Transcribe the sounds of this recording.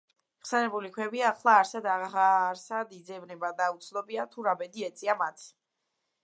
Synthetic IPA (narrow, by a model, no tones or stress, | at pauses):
ʁsɛnɛbulikʰwɛbiaːχlˠaːɾsad̪aaɾsad̪id̪zɛvnɛbad̪aut̪sʰlɔbiat̪ʰuɾabɛd̪iɛt̪sʼiamat̪ʰ